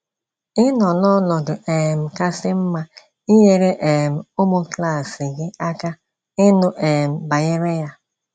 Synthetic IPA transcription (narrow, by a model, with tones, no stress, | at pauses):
ɪ˦nɔ˨nɔ˦nɔ˨dʊ˨ʔe˨m̩˨ka˦sɪ˦m̩˦ma˦ | i˦ɲe˨ɾe˦ʔe˨m̩˨o˦mo˦kla˦˨sɪ˨ɡɪ˦a˦ka˦ | ɪ˦nʊ˦ʔe˨m̩˨ba˨je˦ɾe˦ja˦